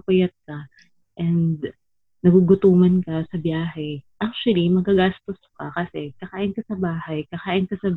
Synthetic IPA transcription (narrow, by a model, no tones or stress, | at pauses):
pɐjɐt̪̚kɐ | ʔɛnd̪̚ | nɐɡuɡʊt̪uːmɐnkɐsɐbjaːɦɛʔak̚t͡ʃʊwɐlimɐɡkːɐɡast̪oskɐkɐsɛkɐkaːʔɪnkɐsɐbaːhɐjkɐkaːʔɪnkɐsɐ